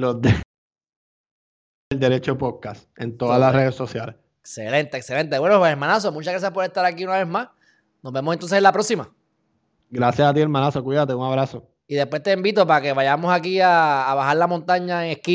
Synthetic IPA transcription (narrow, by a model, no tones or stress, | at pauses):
lode | eld̪e̞ɾet͡ʃopoðkas | ent̪oðalareðeso̞sjales | eksḛlent̪eːksele̞nt̪e̞βwenopweseɾmãnas̬o̞mut͡ʃaɣɾas̬jahpo̞ɾet̪aɾakiunaβe̞smas | nozbemosnt̪onseselapɾo̞ksima | ɡɾasjasat̪ieɾmãnasokwiðat̪euŋaβɾaso̞ | iðepwest̪eimbit̪o̞paɾake̞βaʝamosakiaːβahaɾlamont̪aɲaeŋehki